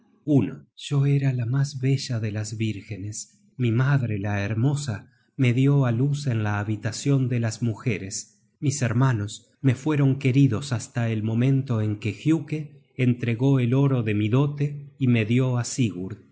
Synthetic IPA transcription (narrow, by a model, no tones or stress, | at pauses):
unoʒ̥o̞eɾalamazβe̞ʒaðe̞lazβiɾxe̞nes | mimaðɾe̞laeɾmo̞sa | me̞ðjo̞aluse̞nlaːβit̪asjo̞nd̪elasmuxeɾes | miseɾmano̞s | me̞fwe̞ɾo̞ŋke̞ɾiðo̞sast̪aelmõ̞mẽ̞nt̪o̞eŋkexjukeː | nt̪ɾe̞ɣo̞elo̞ɾo̞ðe̞miðo̞t̪eime̞ðjo̞asiɣuɾ